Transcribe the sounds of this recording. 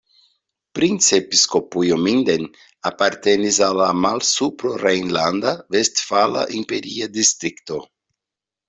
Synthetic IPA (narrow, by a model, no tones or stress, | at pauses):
pɾint͡sepiskopujomind̪en | apaɾt̪enizalamalsupɾorejnland̪avest̪fala̰ʔimpeɾiad̪ist̪ɾikt̪o